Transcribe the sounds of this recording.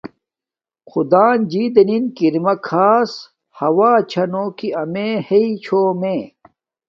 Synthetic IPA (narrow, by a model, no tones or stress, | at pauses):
xʰud̪aːnd͡ʑiːd̪ɐninkiɾmɐkʰaːs | hɐwaːt͡ɕʰɐnoːkiɐmeːheit͡ɕʰoːmẽ